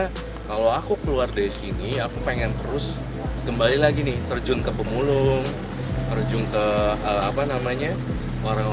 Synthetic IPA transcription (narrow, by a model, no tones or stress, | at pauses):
kalowakukəluardaɾisiniakupeŋɛnt̪əɾʊs | kəmbalilaɡinɪht̪ərd͡ʒʊŋkəpəmulʊŋ | t̪ərd͡ʒʊŋkəəapanamaɲa | ʔoɾaŋ